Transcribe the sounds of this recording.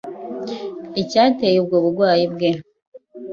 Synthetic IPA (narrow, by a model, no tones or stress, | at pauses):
icaːtejeb̚ɡoːβuɾɡwaːjibɡe